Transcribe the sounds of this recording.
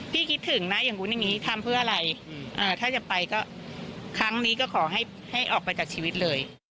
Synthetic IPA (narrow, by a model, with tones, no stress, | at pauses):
pʰiː˥˩kʰi˦˥t̪ʰːɯ˩˦ŋna˦˥ja˨˩ŋʔu˦˥nja˨˩ŋiː˦˥t̪ʰa˧mpʰɯː˥˩əʔa˧ɾa˧jʔɤː˧˩t̪ʰaː˥˩t͡ɕa˨˩pa˧jkɔː˥˩kʰɾa˦˥ŋniː˦˥kɔː˥˩kʰɔː˩˦ɦa˥˩j | ha˥˩jʔɔː˨˩k̚pa˧jt͡ɕaː˨˩k̚t͡ɕʰiː˧wi˦˥t̪̚lɤː˧j